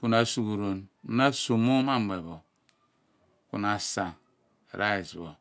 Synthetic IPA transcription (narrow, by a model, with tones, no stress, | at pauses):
ku˨na˨su˨ku˨ɾo˨nu˦na˦su˨mo˦ma˦me˨βo˨ | ku˨na˨sa̰˨ | ɾa˦e˨sbo˨